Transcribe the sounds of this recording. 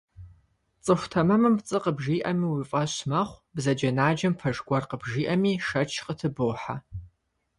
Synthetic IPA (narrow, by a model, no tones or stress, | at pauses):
t͡sʼɨxʷtʰɐmɐmɨmt͡sʼɨqəbʒiːʔɐmiːwifʼɐɕmɐχʷbzɐd͡ʒɐnaːd͡ʒɐmfʰɐʒɡʷɐrqəbʒiːʔɐmiːʂɐt͡ʃʰqətʰɨboːħa